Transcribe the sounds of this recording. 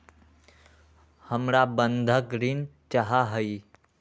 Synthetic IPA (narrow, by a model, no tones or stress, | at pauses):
həmɾabə̃nd̪ʱəkɾint͡ʃaɦaɦəi